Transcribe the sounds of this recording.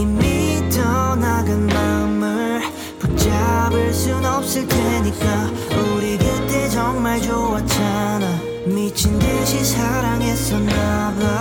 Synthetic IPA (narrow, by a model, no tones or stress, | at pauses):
imːit͡ɕʌnaɡɯnmaɯmɯɭ | puk̚t͡ɕ͈abɯɭs͈unʌp̚s͈ɯɭtʰeɲik͈a | oɾidet̪͈ed͡ʑʌŋmaɭd͡ʑowat̚t͡ɕ͈ana | mit͡ɕʰindeɕʰisʰaɾaŋes͈ʌnːaba